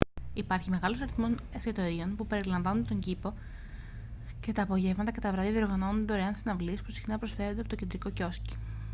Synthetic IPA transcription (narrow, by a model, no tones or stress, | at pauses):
ipɐɾçime̞ɣɐlo̞sɐɾiθmo̞seset̪o̞ɾio̞npupe̞ɾilɐɱvɐnunt̪o̞ɲɟipo̞ | ce̞t̪ɐːpo̞ʝe̞vmɐt̪ɐcet̪ɐvɾɐðiðio̞ɾɣɐno̞nund̪eo̞ɾeɐnsinɐvlispu̥si̥xinɐpɾosfe̞ɾondeɐpot̪oced̪ɾiko̞co̞sci̥